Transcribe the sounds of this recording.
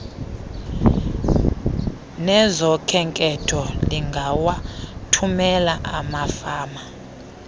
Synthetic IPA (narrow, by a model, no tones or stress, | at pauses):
nɛzɔkʰɛŋkʼɛtʰɔliŋɡʱawatʰumɛlaʔamafaːma